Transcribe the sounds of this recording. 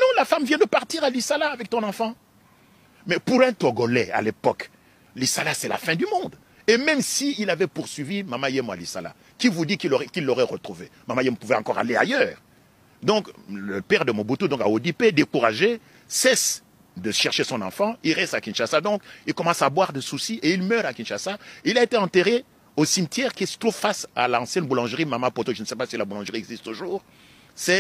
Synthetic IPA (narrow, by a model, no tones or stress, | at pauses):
nɔ̃lafamvjɛ̃d̪əpaʁt̪iʁalisalaːvɛk̚t̪ɔ̃nɑ̃fɑ̃ | mɛpuʁɛ̃t̪ɔɡɔlɛa̰lepɔk | lisalasɛla̰fɛ̃d̪ymɔ̃d̪ | emɛmsiilavɛpuʁsɥivimamajɛma̰lisa̰la̰ | kivud̪ikiʁɛkilːɔʁɛʁət̪χuvemamajɛmpuvɛɑ̃kɔʁa̰lea̰jœːʁ | d̪ɔ̃kləpɛʁd̪əmɔ̃but̪ũd̪ɔ̃kaod̪iped̪ekuʁaʒe | sɛs | d̪əʃɛʁʃesɔ̃nɑ̃fɑ̃ilʁɛst̪akʲĩnʃasad̪ɔ̃kilkɔmɑ̃sabwaʁd̪əsusiʔeilmœʁakʲĩnʃasaeilaet̪eɑ̃t̪eʁe | osimt̪jɛʁkilsə̥t̪χuvfasa̰lɑ̃sjɛnbulɑ̃ʒʁimamapot̪oʒənsɛpasilabulɑ̃ʒʁiɛɡzist̪t̪uʒuːʁ | sɛ